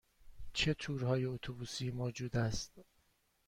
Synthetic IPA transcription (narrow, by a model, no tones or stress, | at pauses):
t͡ʃʰe̞t̪ʰuːɾhɒːjeot̪ʰobuːsiːmoːd͡ʒuːd̪æst̪̚